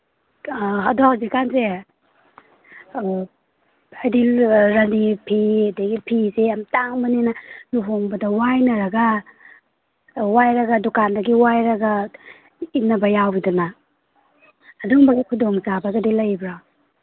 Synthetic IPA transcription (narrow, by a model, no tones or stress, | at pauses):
ɦaduazikanze | ajdilɾɐnipʰidiɡipʰizeɐmtaŋbɐninanuɦoŋbɐdɐwajnɐɾɐɡa | wajɾɐɡadukandɐɡiwajɾaɡa | inɐbɐjawbiduna | duŋbɐɡikʰudoŋzabaɡadilɐjbɾa